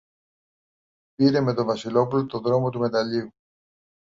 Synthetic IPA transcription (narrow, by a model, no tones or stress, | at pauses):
piɾe̞me̞t̪o̞vɐsilo̞pulot̪o̞ðɾo̞mo̞t̪ume̞t̪ɐlʎiu